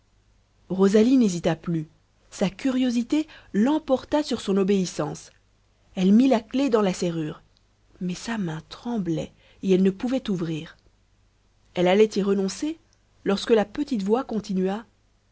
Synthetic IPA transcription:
ʁozalinezit̪aply | sakʲyʁjozit̪elɑ̃pɔʁt̪asyʁsɔ̃nɔbeisɑ̃s | ɛlmilakled̪ɑ̃laseʁyːʁ | mɛsamɛ̃t̪χɑ̃blɛ | eɛlnəpuvɛt̪uvʁiːʁ | ɛlalɛt̪iʁənɔ̃se | lɔʁskəlapət̪it̪vwakɔ̃t̪inɥa

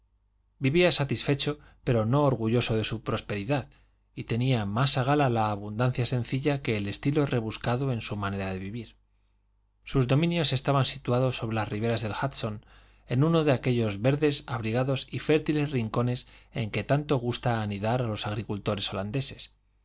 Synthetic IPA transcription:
biβiasat̪isfe̞t͡ʃo̞ | pe̞ɾo̞no̞ːɾɣuʝo̞so̞ðe̞supɾo̞spe̞ɾiðað | it̪e̞niamasaɣ̞alalaːβund̪an̟θjasẽ̞n̟θiʎakeːle̞st̪ilo̞re̞βuskaðo̞e̞nsumãne̞ɾað̞e̞βiβiɾ | suzðo̞mĩnjo̞se̞st̪aβansit̪uaðo̞sːo̞βɾelasriβe̞ɾazðe̞lxat̪so̞n | e̞nũno̞ðe̞ake̞ʎo̞zβe̞ɾðe̞saβɾiɣaðo̞sife̞ɾt̪ile̞sriŋko̞ne̞se̞ŋke̞t̪ant̪o̞ɣ̞ust̪aːniðaɾalo̞saɣ̞ɾikult̪o̞ɾe̞so̞land̪e̞se̞̥s

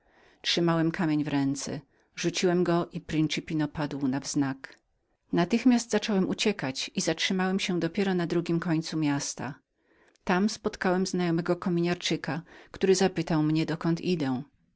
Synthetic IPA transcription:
t͡ʂʂɘmawɛmkʰamʲjeɲvɾɛnt̪sɛ̰ | ʐut͡ɕiwɛmɡɔʔipɾint͡ʂɘpʲinɔpad̪wnavz̥nak | nat̪ɘxmʲjasd̪zat͡ʂɔwɛmʔut͡ɕɛkat͡ɕizatʂɘmawɛmɕɛd̪ɔpʲjɛɾɔnad̪ɾuɡʲimkɔɲt̪sumʲjast̪a̰ | t̪amspɔt̪kawɛmznajɔmɛɡɔkɔmʲiɲaɾt͡ʂɘkakt̪uɾɘzapɘt̪awmɲɛd̪ɔkɔnt̪ʰid̪ɛ̃

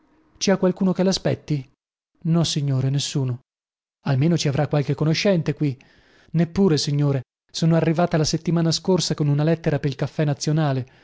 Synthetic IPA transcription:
t͡ʃiakwalkuːnokelaspɛt̪ːi | nɔsiɲːoːɾenesːuːno | almeːnot͡ʃiavɾʔakːwalk̟ekːonoʃːɛnt̪ekwi | nepːuːɾesiɲːoːɾe | soːnoarːivaːt̪alaset̪ːimaːnaskorsakonunalɛt̪ːeɾapeɾilkafːɛnat̪sːjonaːle

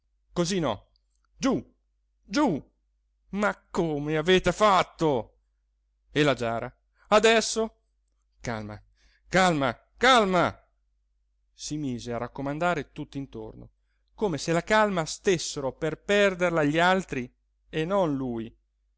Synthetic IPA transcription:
kozinɔ̰ | d͡ʒu | d͡ʒu | makːoːmeaveːt̪efat̪ːo | elad͡ʒaːɾa | ad̪ɛsːo | ka̰lma̰ | kalma | kalma | simiːzearakːomand̪aːɾet̪ut̪ːint̪o̰rno̰ | koːmeselakalmast̪esːeɾoperpɛrd̪erlaʎːialt̪ɾi | enːonluːj

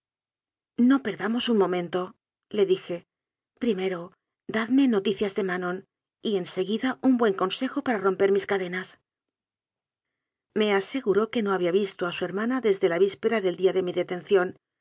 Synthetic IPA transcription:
no̞pe̞ɾðamo̞sunmõ̞mẽ̞nt̪o̞ | le̞ðixe̞ | pɾime̞ɾo̞ | d̪aðme̞no̞t̪iθjazðe̞mano̞n | ie̞nse̞ɣiðaumbwe̞ŋko̞nse̞xo̞paɾaro̞mpe̞ɾmiskaðe̞nas | me̞ase̞ɣuɾoke̞no̞aβiaβist̪oasue̞ɾmanaðe̞zðe̞laβispe̞ɾaðe̞ld̪iaðe̞miðe̞t̪e̞nθjo̞n

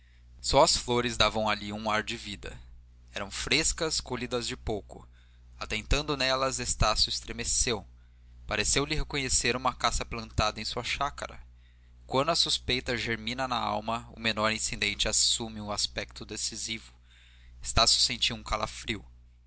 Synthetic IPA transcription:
sɔɐsfloɾɪzd̪avɐ̃w̃aliũaɾd͡ʒɪvid̪ɐ̰ | ɛɾɐ̃w̃fɾeskɐskolid̪ɐzd͡ʒɪpowkʊ̰ | at̪ẽnt̪ɐ̃nd̪ʊnɛlɐzest̪asjʊɪst̪ɾemesew | paɾesewlɪɦekõɲeseɾũmɐkasɐplɐ̃nt̪ad̪ɐẽj̃suɐʃakɐɾɐ̰ | kwɐ̃nd̪ʊɐsuspejt̪ɐʒeɾmĩnɐnɐa̰wmɐʊ̰menɔɾĩsẽd̪ẽnt͡ʃɪasumɪʊaspɛk̚t̪ʊd̪esizivʊ̥ | est̪asjʊ̥sẽnt͡ʃiwũkalafɾiw

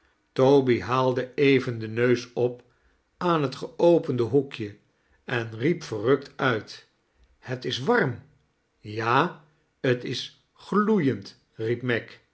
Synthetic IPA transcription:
towbiɦaːlˠdəejvəndənøɥsɔp | aːnɦətχəowpəndəɦukjə | ɛnripfərɵktœɥt | hətɪsʋɑrm | jaː | ətɪs | χlujənt | rip̚mɛk

